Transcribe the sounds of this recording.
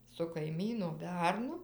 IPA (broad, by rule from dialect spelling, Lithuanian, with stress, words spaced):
sʊ kɐɪˈmʲiːnoː ˈbʲɛrnʊ